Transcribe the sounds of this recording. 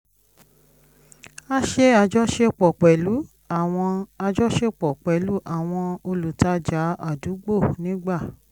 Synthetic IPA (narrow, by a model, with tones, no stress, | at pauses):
a˦ʃe˦a˧d͡ʒɔ˦ʃe˦k͡pɔ˨k͡pɛ˨lu˨˦ | a˨w̃ɔ̃˧a˧d͡ʒɔ˦ʃe˦k͡pɔ˨k͡pɛ˨lu˨˦ʔa˦˨w̃ɔ̃˧o˧lu˨ta˨˧d͡ʒa˨˦a̰˦˨du˨˦ɡ͡bo˦˨nĩ˦ɡ͡ba˦˨